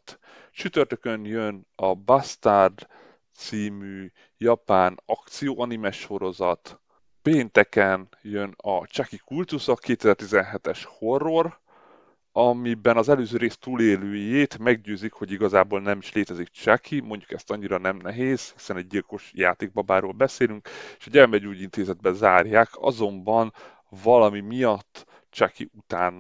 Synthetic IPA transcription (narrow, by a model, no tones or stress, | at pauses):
t̪ | ʃyt̪ørt̪økønjønɒbɒst̪ard̪ | t̪siːmyː | jɒpaːnɒkt̪sijoːʔɒnimɛʃo̞ɾo̞zɒt̪ | peːnt̪ɛkɛnjønɒ̰t͡ʃakikult̪usɒkeːt̪ɛzɛrt̪izɛnɦɛt̪ɛʃho̞rːor | ɒmibɛnɒzɛløːzøːɾeːst̪uːleːløːjeːt̪mɛɡɟøːzikho̞ɟiɡɒzaːboːlnɛmiʃleːt̪ɛzik̚t͡ʃakʰimo̞ɲɟukɛst̪ɒɲːiɾɒnɛmnɛɦeːz̥hi̥sɛnɛɟ̚ɟilko̞ʃja̰ːt̪eːɡ̚bɒbaːɾoːlbɛseːlyŋkeːʃɒɟɛrmɛd͡ʒuːɟint̪eːzɛd̪̚bɛzaːrjaːkʰɒ̰zo̞mbɒn | vɒlɒmimijɒt̪ː | t͡ʃakḭut̪aːn